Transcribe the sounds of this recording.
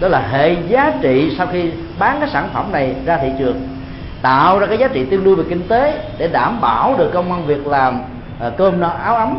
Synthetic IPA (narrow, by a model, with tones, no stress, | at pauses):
ɗɔ˨˦laː˨˩ɦḛ˧˨zaː˨˦t͡ɕḭ˧˨sa˧wxi˧ | ɓaː˨˦ŋkaː˨˦jsaː˧˩nfə˧˩mna˨˩jzaː˧t̪ʰḭ˧˨t͡ɕɨ˨˩əŋ | t̪a̰ː˧˨wzaː˧kaː˨˦jzaː˨˦t͡ɕḭ˧˨t̪i˧ənɗu˧ve˨˩ki˧ŋ̟t̪e˨˦ɗe˧˩ɗaː˧˩mɓaː˧˩wɗɨ˨˩əkːə˧wŋ͡mʔa˧nvi˨˩ək̚laː˨˩m˨˩ | kəː˧m˧ʔaː˨˦wʔa˨˦m